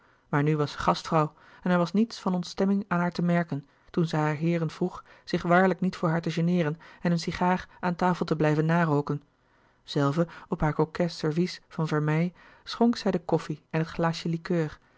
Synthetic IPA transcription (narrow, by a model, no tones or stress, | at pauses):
maːɹnyʋɑsə̥χɑstfrɔw | ɛnɛɹʋɑsnitsfɑnɔntstɛmɪŋaːnɦaːɹtəmɛɹkən | tunzɛjɦaːɹɦɪːɾənv̥ruχz̥ɪχʋaːɹləknitfʊːɹɦaːɹtəʒənɪːɾənɛnənsiχaːχaːntaːfəl̩ˠtəblɛjvənːaːrowkən | z̥ɛlˠvəɔpɦaːɹkokɛsɛɹvisfɑnvɛɹmɛj | sχɔŋksɛjdəkɔfiɛnɦətχlaːʃjəlikøːr